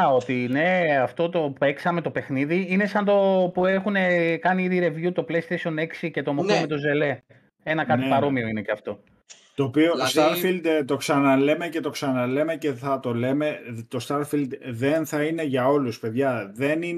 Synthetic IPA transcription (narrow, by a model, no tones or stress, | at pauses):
ot̪ine̞ɐft̪o̞t̪o̞e̞ksɐme̞t̪o̞pe̞xniðiine̞sɐnd̪o̞pue̞xune̞kɐniiðiɾe̞vjut̪o̞plest̪esione̞ksice̞t̪o̞mokomet̪o̞ze̞le̞ | e̞nɐkɐt̪ipɐɾo̞mio̞ine̞ceɐft̪o̞ | t̪oːpioost̪ɐɾfild̪t̪o̞ksɐnɐle̞mece̞t̪o̞ksɐnɐle̞mece̞θɐt̪o̞leme̞t̪ost̪ɐɾfild̪ðenθɐine̞ʝɐo̞luspe̞ðʝɐðe̞ni